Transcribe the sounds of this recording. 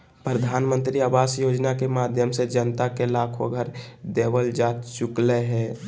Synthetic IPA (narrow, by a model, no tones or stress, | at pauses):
pɾəd̪ʱaːnmənt̪ɾiaːbaːsjod͡ʒnakemad̪ʱjəmsed͡ʒənt̪akelakʰo̰ɡʱəɾd̪ebəld͡ʒat̪t͡ʃʊkleɦɛː